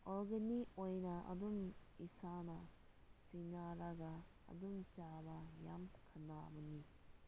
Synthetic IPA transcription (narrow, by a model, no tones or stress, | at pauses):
ɔɾɡenikojnɐɐ̰dumisanɐ | sinaɾɐɡɐ | ɐ̰dumt͡ʃabɐja̰mkʰɐnːa̰bɐni